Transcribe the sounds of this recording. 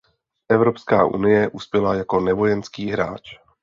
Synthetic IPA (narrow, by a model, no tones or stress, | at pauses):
ʔɛvɾo̞pskaːʔṵnɪjɛʔuspjɛlajako̞nɛvo̞jɛnskiːɦɾaːt͡ʃ